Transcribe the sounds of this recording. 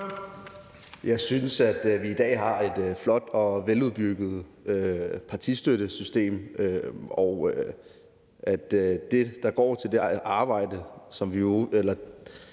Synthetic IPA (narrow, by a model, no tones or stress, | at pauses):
jɑ̈ɪsynsæd̥ʋiːd̥ɛ̰ːɦɑ̈e̝d̥flɒ̽d̥ɒ̽ʋeluð̞ˠb̥yɡ̥ð̞̩ˠ | øpʰɑ̈t͡sʰisd̥øɾ̥əsysd̥e̝̰ːmøɒʊ | ʔæd̥d̥e̝d̥ɑ̈ɡ̥ɒ̰ːt͡sʰe̝ld̥e̝ʔɑ̈ːb̥ɑ̈ɪ̰d̥əsɒ̽mʋioelɐ